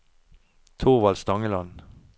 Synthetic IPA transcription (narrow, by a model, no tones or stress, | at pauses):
t̪ʰʊʁʋɑlsd̪ɑŋəlɑn